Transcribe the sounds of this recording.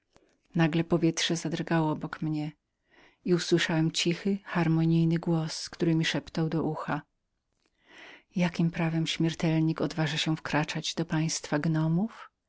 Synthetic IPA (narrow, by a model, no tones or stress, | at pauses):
naɡlɛpɔvʲjɛt̪ʂɛzad̪ɾɡawɔɔbɔkmɲɛ | iuswɘʂawɛmt͡ɕixɘxaɾmɔɲijnɘɡwɔskt̪uɾɘmʲiʂɛpt̪awd̪ɔʔuxa | jakʲimpɾavɛmɕmʲjɛɾt̪ɛlɲikɔd̪vaʐaɕɛfkɾat͡ʂad͡ʑd̪ɔpaj̃st̪faɡnɔmuf